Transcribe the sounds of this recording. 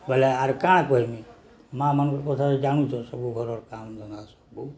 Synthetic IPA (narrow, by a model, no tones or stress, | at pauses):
bəleaɾkãkoɦimi | mãmənukkot̪ʰad͡ʒañut͡ʃʰɔsəbuɡʱɔɾɔɾkamd̪ʱond̪asə̥bu